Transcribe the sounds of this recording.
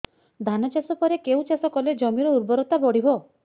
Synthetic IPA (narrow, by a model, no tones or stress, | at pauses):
d̪ʱanɔt͡ʃasɔpɔɾekeut͡ʃasɔkɔled͡ʒɔmiɾɔuɾbɔɾot̪abɔɽ̤ibʱo